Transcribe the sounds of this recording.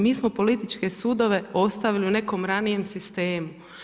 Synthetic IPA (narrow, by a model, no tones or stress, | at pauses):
miːsmo̞po̞lit̪it͡ʃke̞suːd̪o̞ʋe̞o̞st̪aʋiliune̞ko̞mɾanije̞msist̪e̞ːmu